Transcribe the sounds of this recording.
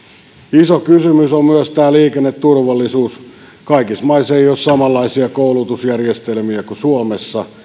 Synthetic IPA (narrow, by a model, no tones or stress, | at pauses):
isokysymysommyøst̪æːliːkenːet̪turʋɑlːisuːs | kɑikismɑiseijossɑmɑlːɑisiɑkoulut̪usjærjest̪elmiækusuomesːɑ